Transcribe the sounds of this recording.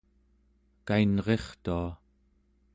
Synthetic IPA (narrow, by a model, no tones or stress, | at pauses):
kainʁe̞χt̪ua